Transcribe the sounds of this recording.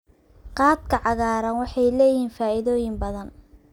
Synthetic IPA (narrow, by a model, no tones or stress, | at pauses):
qɑːt̪kʰɐʕɑɣaːɾɐnwɑħɑjlɛːjɪhiːnfaːɪðɔːjɪmbɐðɐn